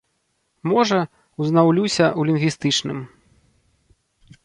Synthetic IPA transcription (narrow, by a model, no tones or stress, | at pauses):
mɔʐɐ | wznawlʲusʲɐulʲinvʲist̪ɨt͡ʂnɨm